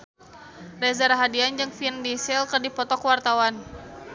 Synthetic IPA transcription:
rɛzaɾaɦadiand͡ʒɨŋfindisɪlkərdipɔt̪ɔkwart̪awan

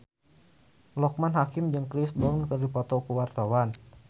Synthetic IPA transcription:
lɔk̚manɦakɪmd͡ʒɨŋkɾisbɔnkərdipɔt̪ɔkəwart̪awan

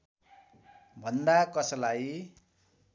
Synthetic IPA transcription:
bʱʌnd̪akʌsʌlaj

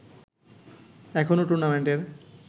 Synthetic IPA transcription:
ɛkʰonoʈuɾnameɳʈeɾ

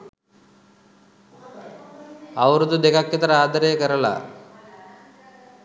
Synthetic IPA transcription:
ɐʋɐɾud̪ud̪ekakːit̪ɐɾɐaːd̪ɐɾekɐɾɐla̰

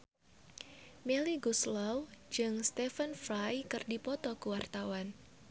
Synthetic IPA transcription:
meliɡuslɔwd͡ʒɨŋst̪ɛfənfɾajkɨrdipɔt̪ɔkuwart̪awan

